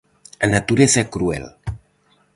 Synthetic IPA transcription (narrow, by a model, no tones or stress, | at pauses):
anat̪uɾeθakɾuɛ̰l